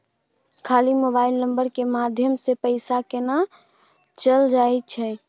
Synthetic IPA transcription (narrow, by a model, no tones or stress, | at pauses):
kʰalimobaɪlnə̃mbəɾkemad̪ʱjəmsepəɪsakena | t͡ʃəld͡ʒaɛt͡ʃʰɛ